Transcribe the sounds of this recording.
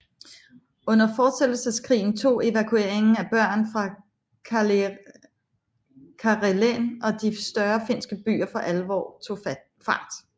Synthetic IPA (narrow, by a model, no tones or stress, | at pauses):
ɔ̽n̰ɐfɒ̥ːsel̥l̩səskʰʁḭːn̩t͡sʰo̝̰ːe̝ʋækʰue̝ɐ̰e̝ŋn̩æb̥ɶɐ̰nfʁɑ̈ | k | kʰɑʁelenɒ̽d̥isd̥ɶɐfe̝n̰sɡ̥əb̥y̰ːɐfɒ̽ʔælʋɒ̰ːo | fɑ̈ːd̥